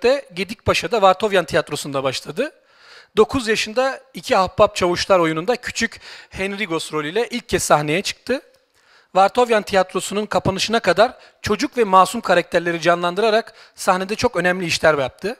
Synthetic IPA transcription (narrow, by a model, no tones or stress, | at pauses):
t̪ɛɟed̪ic̚baʃad̪avaɾt̪ʰo̞vjant̪ʰijat̪ɾo̞sund̪abaʃlˠad̪ɯ | d̪o̞kʰuzjaʃɯnd̪aicʰihapːap̚t͡ʃʰavuʃlˠaɾo̞junund̪acʰy̥t͡ʃʰychɛnɾiɡo̞st̪ɾo̞lʲijlʲɛʔilʲc̚ʰːɛsːahne̞jɛt͡ʃʰɯ̥k̚t̪ʰɯ | vaɾt̪ʰo̞vjant̪ʰijat̪ɾo̞sununkʰapanɯʃɯnakad̪aɾ | t͡ʃʰo̞d͡ʒukvɛmaːsumkʰaɾak̚t̪ʰæɾlʲe̞ɾid͡ʒanlˠand̪ɯɾaɾak | sahned̪ɛt͡ʃʰo̞kø̞nɛmlʲiːiʃlʲæɾbjap̚t̪ʰɯ